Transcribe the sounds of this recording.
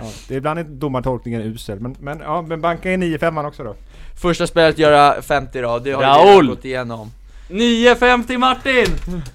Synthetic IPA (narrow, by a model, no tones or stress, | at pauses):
ɑːd̪̥ɛɪbland̪ɛɪd̪ʊmːaʈʰɔlk̚nɪŋənʉ̟ːsɛlmɛnmɛnɑːmɛnbaŋkənɛniːəfɛmːanːɔksɔd̪ɔ | fœʂʈaspeːlaat̪jœːɾafɛmt̪ɪɾɔd̪ɛhaɾaʊlɔt̪ːɪjeːnɔm | niːəfɛmt̪ɪmaʈːɪn